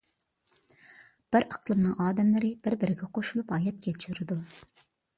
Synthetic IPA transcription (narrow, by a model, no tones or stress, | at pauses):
b̥ɪɾɑqʰlˠɨmnɨŋʔɑːd̪ɛmlɪɾɪbɪɾbɪɾɪɡʲɛqʰoʃulˠupɑːjɛt̪̚kʲɛt͡ʃʰyɾɪd̪u